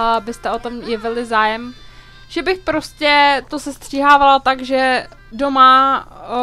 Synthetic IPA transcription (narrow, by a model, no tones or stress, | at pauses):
bɪst̪ɛot̪o̞mjɛvɪlɪzaːjɛm | ʒ̥ɛbɪxpɾo̞scɛt̪o̞sɛst̪r̝̥iːɦaːvalat̪aɡʒɛ | do̞ma